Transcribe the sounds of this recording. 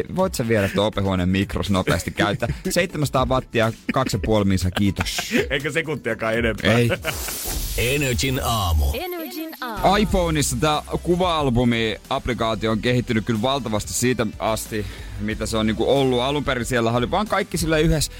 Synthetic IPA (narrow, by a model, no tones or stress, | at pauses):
ʋoit̪sɑʋieɾæt̪ːoːpehuonemmikro̰snopḛːst̪ikkæyt̪ːæseit̪ːemænsɑt̪ɑːʋɑt̪ːiɑkɑksjɑpuolminsɑkiːt̪oseikøsekunt̪ːˑiɑkɑːenempæei | enød͡ʒinɑːmṵ | ɑjfoːnisːɑt̪æːkuʋɑɑlbumiɑplikɑːt̪iooŋkehit̪ːynykkylʋɑlt̪ɑʋɑst̪issiːt̪æɑst̪imit̪æseoniːŋkuolːuɑlumpeɾisielːæhæoliʋɑːŋkɑikːisilːæyhes